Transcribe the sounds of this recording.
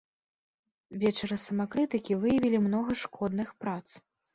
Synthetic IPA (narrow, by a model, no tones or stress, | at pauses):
vʲɛt͡ʂɐɾɐsɐmakɾɨt̪ɨkʲivɨjɐvʲilʲimnɔɣɐʂkʰɔd̪nɨxpɾat̪s